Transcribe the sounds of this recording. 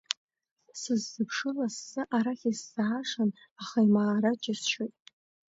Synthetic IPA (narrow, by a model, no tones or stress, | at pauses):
sɨzːɨpʰʂɨlasːɨʔaɾaχʲisːaʕaʂan | aχaimaːɾad͡ʒʼɪsʃejtʼ